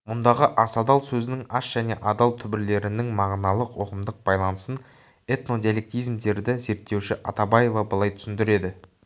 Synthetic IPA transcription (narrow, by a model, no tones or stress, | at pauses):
mʊnd̪ɑʁəʔɑsɑd̪ɑlˠsɵzɪnɪŋɑʃʒ̥æne̞ʔɑd̪ɑlˠt̪ʰʏbɪɾle̞ɾɪnɪŋmɑʁnɑlˠəqwoqəmd̪əq̚bɑjlˠɑnəsən | e̞t̪no̞d̪ʲijalʲek̚t̪ijzmd̪e̞ɾd̪ɪze̞ɾt̪ːe̞wʃɪʔɑt̪ɑbɑje̞vɑbəlˠɑjt̪ʰʏ̥sɪnd̪ɪɾe̞d̪ɪ